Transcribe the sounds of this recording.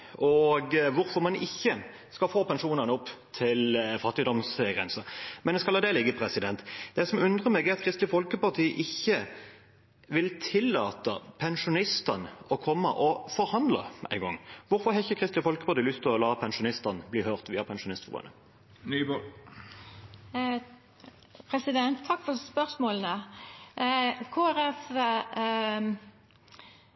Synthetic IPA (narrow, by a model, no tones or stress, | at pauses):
ɔɡʋʊɾfɔʁmɑnɪçːə | skɑfoːpɛnʃuːnɑnəʊpːt̪ʰɪlfɑt̪ːɪd̪ɔmsɡʁɛnsəmɛnɛskɑlɑd̪ɛlɪɡːəpʰʁɛsɪd̪ɛnt̪d̪ɛsɔmʉnd̪ʁəmɛɡæɾɑt̪kʰʁɪst̪lɪfɔlkəpɑʁt̪ʰiːəʔɪçːə | ʋɪlt̪ʰɪlːɑːt̪əpʰɛnʂʊnɪst̪ɑnɔkʰɔmːəʔɔfɔɾhɑnd̪lə̰ʔæ̰ɪŋɡɔ̰ŋːʋʊɾfɔʁhɑɪçːəkʰʁɪst̪ɪfɔlkəpʰɑʁt̪ʰiːlʏst̪ʰːɪlɔlɑːpʰɛnʂʊnɪst̪ɑnbliːhøːʁt̪ʋiːɑpʰɛnʃʊnɪst̪fʁṵːə̰nə | nyb | pʰɾɛsɪd̪ɛnt̪ʰːɑkːfɔspœʁsmoːlənə | kʰoːæɾɛf